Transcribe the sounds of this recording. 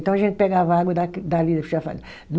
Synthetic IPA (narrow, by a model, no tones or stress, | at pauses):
t̪ɐ̃w̃ɐʒẽnt̪̚pɛɡavaɡwɐd̪akd̪alid̪ɐpsafa̰l | ñ